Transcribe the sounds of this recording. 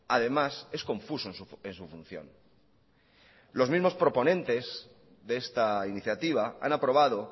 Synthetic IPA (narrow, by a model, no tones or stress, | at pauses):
að̞e̞mase̞skõ̞ɱfusoensensufun̟θjo̞̰n | lo̞zmizmo̞spɾo̞po̞nẽ̞nt̪e̞z | ðeest̪ainiθjat̪iβ̞aa̰napɾo̞β̞að̞o̞